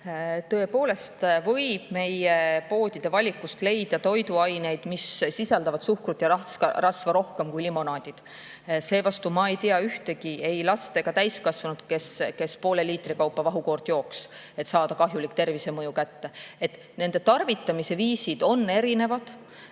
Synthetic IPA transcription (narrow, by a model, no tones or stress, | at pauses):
t̪ɤ̞e̞po̞ːle̞st̪vɤ̞jb̥̚me̞jepo̞ːd̪̥ʲid̪̥e̞vɑlʲikːˑust̪le̞jd̪̥ɑt̪o̞jd̪uɑjne̞jd̪̥missisɑld̪ɑvɑd̪suhkrut̪jɑɑɑrɑsvɑɾo̞hke̞mkujlimo̞nɑːd̪̥ʲid̪̥ | se̞ːvɑst̪umɑe̞jt̪iɑyht̪e̞ɡie̞jlɑst̪e̞ɡ̥ɑt̪æjskɑsvɑnud̪ke̞ske̞spo̞ːle̞liːt̪rikɑwpːˑɑvɑɦuko̞rd̪̥jo̞ːks | e̞t̪sɑːd̪̥ɑkɑɦjulikt̪e̞rvise̞mɤjukæt̪ːe̞et̪ˑ | ne̞nd̪et̪ɑrvit̪ːˑɑmise̞viːsid̪̥o̞nːe̞ɾine̞vɑd̪̥